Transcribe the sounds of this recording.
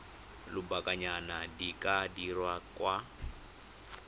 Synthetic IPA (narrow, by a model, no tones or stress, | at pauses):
lʊbakʼaɲanadikʼadirwakʼwa